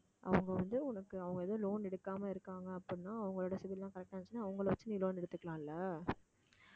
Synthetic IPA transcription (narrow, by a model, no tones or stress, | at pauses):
ʔɐ̰ʋɐŋɡɐʋɐnd̪ɯʊnɐkːɯɐʋɐŋɡɐɛðɐ̃ːloːnɛɽɯkːaːmɐɪɾɯkːaːŋɡɐːpːɐnːãːɐʋɐŋɡɐɭoːɽɐsɪʋɪllãːkɐɾɛk̚ʈːaːɐnt͡ʃːɯnːaːɐʋɐŋɡɐɭʋɐt͡ʃːɯniːloːnɛɽɯt̪ːɯkːɐɭãːɪlːɐ